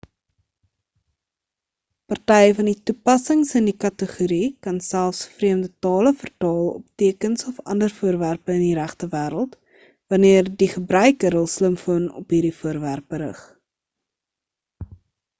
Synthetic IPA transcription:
pɐrtɛjəfɐnditupɐsəŋsəndikɐtəχuɾikɐnsælˠfsfriəmdətɑːləfərtɑːlˠɔ̰p̚tiəkənsɔfɐ̰ndərfuərværpəəndiɾæχtəvæːɾəlˠt | vɐniərdiχəbrœɥkəɾɦəlˠsləmfuənɔ̰pɦiːɾdifuərværpəɾə̰χ

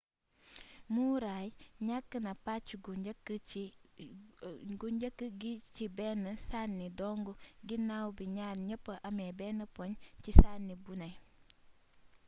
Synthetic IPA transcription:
muːɾaːjɲakːənɐpat͡ʃːuɡukː | ɡuɲɟəkːəɡicibɛnːəsanːidɔŋɡuɡinːawbiɲaːɾɲəpːəʔɐmebɛːnːəpoɲcisanːibunɐj

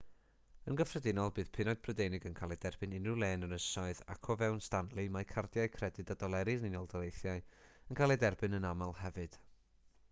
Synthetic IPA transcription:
ənɡəfrədɪnɔlˠbɨːð̥pʰɪnɔɨd̚b̥ʰrədejnɪɡənkʰalˠɛdɛrb̥ɨnɪnʊlˠeːnəɾəsaɨða̰kʰɔvɛwnstanlˠimajkʰardjaɨkʰrɛdɨdadɔlˠɛɾɪðnɪnɔlˠdɔlˠejθjaɨənkʰalˠɛdɛrbɨnənamalˠhɛvɨd̥

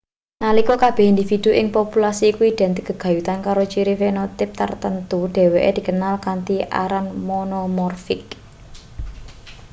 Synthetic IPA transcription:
nalikɔkab̥ɛ̤hind̪ifid̪̥ṳʔɪŋpopulasiːkuiɖ̪̥ɛ̤nt̪iɡ̥ə̤ɡ̥a̤jut̪ankaɾot͡ʃiɾifenot̪ɪp̚t̪ə̰rt̪ənt̪uɖ̥e̤weʔḛd̪̥i̤kənalkant̪iʔa̰ɾanmonɔmɔrfɪk̚

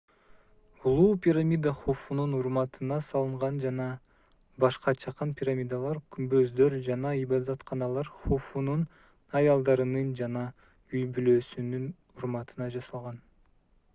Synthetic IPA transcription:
ulˠuːpʲiɾamʲid̪aχofununuɾmɑt̪ʰɯnɑsɑlˠɯɴʁɑnd͡ʒɑnɑ | bɑʃqɑt͡ʃʰɑqɑnpʲiɾamʲijd̪alˠɑɾkʲʰymbøzd̪øɾd͡ʒɑnɑibɑd̪ɑt̪qʰɑnɑlˠɑɾχofunun | ɑjɑlˠd̪ɑɾɯnɯnd͡ʒɑnɑ | yjbyløːsynyn | uɾmɑt̪ɯnɑd͡ʒɑsɑlˠʁɑn

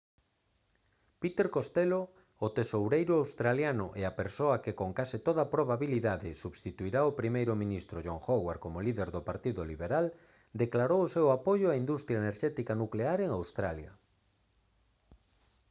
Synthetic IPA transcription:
pit̪eɾkost̪eloː | t̪esowɾejɾʊawst̪ɾaljanʊ̰ʔeapeɾsoɐkekoŋkasit̪oðɐpɾoβaβiliðaðɪsuβst̪it̪uiɾaopɾimejɾʊmĩnist̪ɾoʒoŋxowaɾkomʊliðeɾðopaɾt̪iðʊliβeɾal | d̪eklaɾowosewapojʊaind̪ust̪ɾjaeneɾʃɛt̪ikanukleaɾeŋawst̪ɾaljɐ̰

